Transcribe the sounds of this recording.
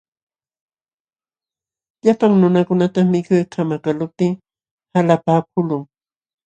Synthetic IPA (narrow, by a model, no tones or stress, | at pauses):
ʎapaŋnʊnakʊnat̪amɪkʊjkʰamakalʊp̚t̪ɪŋ | halapaːk̚ʊlʊŋ